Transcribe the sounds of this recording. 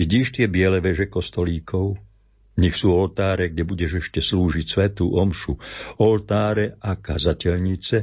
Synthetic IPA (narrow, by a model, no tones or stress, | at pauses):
iɟiːʃt̪ɪɛbɪɛlɛʋɛʒɛkɔst̪ɔliːkʰɔʊ | ɲixsuːɔlt̪aːɾɛɡ̚ɟɛbuɟɛʒɛʃcɛsluːʒicsʋɛt̪uːʔɔmʃuɔlt̪aːɾɛʔaka̰zacɛʎɲit͡sɛ